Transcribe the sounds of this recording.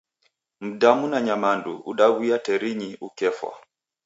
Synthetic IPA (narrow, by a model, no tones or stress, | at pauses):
m̩damunaɲamandṵuɗawijatɛɾiɲiʔukɛfwa̰